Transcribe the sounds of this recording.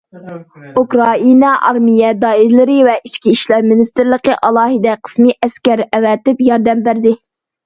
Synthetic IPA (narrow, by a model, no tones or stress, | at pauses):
ukɾɑinɑʔɑ̰ɾmijɛd̪ɑːiɾlɪɾɪvɛʔiʃkʲiiʃlæɾmɪnɪst̪ɪɾlˠəqəʔɑlˠɑːɦɨd̪ɛqʰə̥smɨʔɛskʲɛɾɛwɛt̪ɪpjɑɾd̪ɛmbæɾd̪ɪ